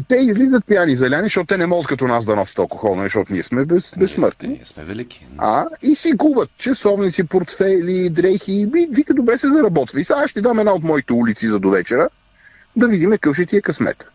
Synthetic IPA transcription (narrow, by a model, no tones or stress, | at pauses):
t̪ɛizlizət̪̚pijanizɐlʲanizʃt̪ɔt̪ʊt̪ɛnɛmɔɡət̪̚kɐt̪ɔnasd̪ɐnɔsə̥t̪ɐlˠkoxɔlˠnɐzɛʃt̪ɔt̪ʊniɛsmɛbɛsbɛsːmɤ̰ɾt̪ni | a̰isiɡubət̪̚t͡ʃɛsɔvnit̪sipoɾt̪fɛlid̪ɾɛxibivikəd̪obɾɛsɛzɐɾɐbɔt̪vɐisaʃt̪ɛd̪amɛd̪naot̪mɔit̪ɛulit̪sizɐd̪ovɛt͡ʃɛɾə | d̪ɐvid̪imɛkɤfʃɛt̪iɛkɐsmɛ̰t̪